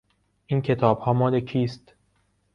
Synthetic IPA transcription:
ʔiːncʰe̞t̪ʰɒːb̥hɒːmɒːlecʰiːst̪

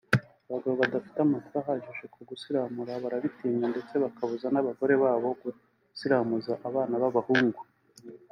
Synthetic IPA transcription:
aβaɡaβoβadafi̥tamatuaɦaʒeʒekʰoɡusiɾamuɾaβaɾaβitiːɲande̞t͡se̞βakaβuzanaβaɡo̞ɾe̞βaːβo̞ɡu | siɾamuzaʔaβaːnaβaβahuːŋɡu

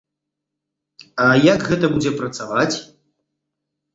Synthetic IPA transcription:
ajɐɡɣɛt̪ɐbud͡zʲɛpɾɐt̪savat͡sʲ

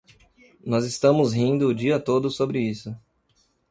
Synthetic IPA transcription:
nɔzɪst̪ɐ̃mʊzɦĩnd̪ʊːd͡ʒiɐt̪od̪ʊsobɾɪisʊ

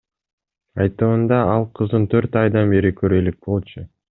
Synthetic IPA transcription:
ɑjt̪ɯmɯnd̪ɑɑlˠqʰɯzd̪ɯnt̪ʰøɾt̪ɑjd̪ɑnbeɾikʰøɾelik̚bo̞lˠt͡ʃʊ

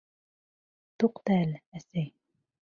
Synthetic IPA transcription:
t̪uqt̪ælæsɘj

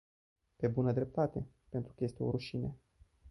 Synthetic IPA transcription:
pe̞bunəd̪ɾe̞p̚t̪at̪e̞ | pe̞nt̪ɾukəje̞st̪e̞o̞̰ɾuʃine

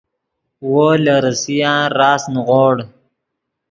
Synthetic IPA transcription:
wolaɾəsijãːɾɑːsnɣoɽ

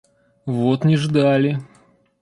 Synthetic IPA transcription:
vot̪nʲɪʐd̪alʲɪ

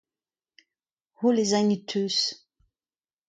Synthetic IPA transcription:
holezaɲit̪ʰøs

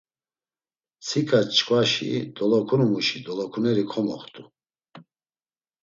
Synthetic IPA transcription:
t͡sʰikʼat͡ʃkʼwaʃḭd̪ɔlɔkʰunmuʃid̪ɔlɔkʰunɛɾikʰɔmɔ̰χt̪ʼu

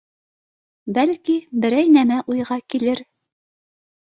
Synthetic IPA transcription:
bælkibɘ̆ɾæjnæmæʔujʁɑkilɘɾ

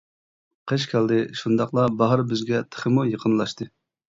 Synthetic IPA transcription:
qʰəʃ̬kʲʰæld̪ɪʃund̪ɑqlˠɑbɑɦɾbɪzɡʲɛt̪ʰə̥χəmujəqʰənlˠɑʃt̪ɨ

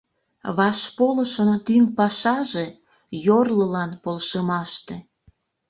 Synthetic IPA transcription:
βɑʃpoləʃənt̪ynpɑʃɑʒe | jorləlɑnpolʃemɑʃt̪e

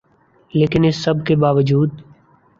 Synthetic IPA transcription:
leːkɪnɪsːəbʱkebaːʋəd͡ʒuːd̪

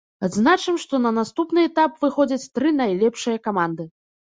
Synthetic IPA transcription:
ad̪znat͡ʂɨmʂt̪ɔnɐnast̪upnɨɛt̪apvɨxɔd͡zʲɐt͡sʲt̪ɾɨnajlʲɛpʂɨjɐkamand̪ɨ

